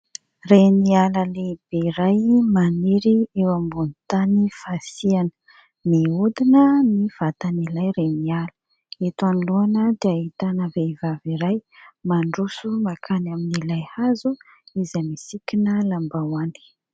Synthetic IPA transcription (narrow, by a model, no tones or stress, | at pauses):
renialəleb̥eiɾajmaneɾiewambunit̪anifasianə̥ | miud̪inəniv̥at̪anilajɾenialə̥ | et̪aniluanəd̪eahit̪anavevaviɾajmaɳɖ͡ʐusumakʰanaminilajhazu | izamisikʲinəlambawani̥